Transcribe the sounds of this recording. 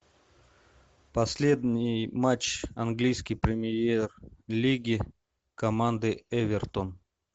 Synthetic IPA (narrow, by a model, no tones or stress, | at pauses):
pɐsʲlʲed̪ʲnʲɪjmat͡ɕɐnɡlʲijskʲɪjpɾʲɪmʲɪjerlʲiɡʲɪ | kɐmand̪ɨɛvʲɪrt̪on